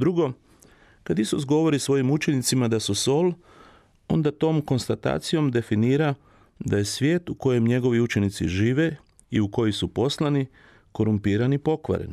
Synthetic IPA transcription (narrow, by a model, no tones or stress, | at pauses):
d̪ɾuɡo̞ | kad̪isus̬ɡo̞ʋo̞ɾisʋo̞jimut͡ʃe̞nit̪simad̪asuso̞l | o̞̰nd̪at̪o̞ːmko̞nst̪at̪a̰ːt̪sijo̞md̪e̞finiːɾa | d̪aje̞sʋʲje̞ːt̪uko̞je̞mɲe̞ɡo̞ʋiut͡ʃe̞nit̪sḭʒiːʋe̞ | iuko̞jisupo̞slani | ko̞ɾumpiːɾanipo̞kʋa̰ɾḛni